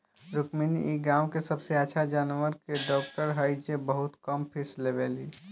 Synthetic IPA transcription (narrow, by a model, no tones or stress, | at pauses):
ɾukminḭʔiɡãʊkesəbseəːʃʰad͡ʒaːnʋəɾkeɖɔːk̚ʈəɾɦəjd͡ʒebəɦut̪kəmpʰislebeli